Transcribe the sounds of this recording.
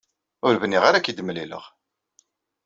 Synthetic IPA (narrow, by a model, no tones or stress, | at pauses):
ʊɾvənːiʁaɾakid̪əmlilə̰ʁ